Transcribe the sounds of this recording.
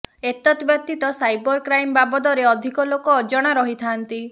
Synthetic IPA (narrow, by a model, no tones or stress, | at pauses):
et̪ɔt̪bjɔt̪it̪ɔsajbɔɾkɾajmbabɔd̪ɔɾeɔd̪ʱikɔlokɔːd͡ʒɔɽ̃aɾɔɦit̪ʰant̪i